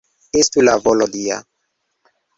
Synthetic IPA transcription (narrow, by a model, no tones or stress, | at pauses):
estulavɔlɔdia̰